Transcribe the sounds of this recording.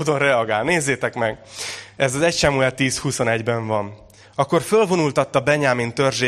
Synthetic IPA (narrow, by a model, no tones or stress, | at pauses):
d̪onrɛɒɡaːlneːzːeːt̪ɛkmɛɡɛzɒzɛcʃɛmuɛt̪iːshuso̞nɛɟbɛɱvɒn | ɒkːo̞rfølvo̞nult̪ɒt̪ːɒbɛɲaːmint̪ø̞rʒeː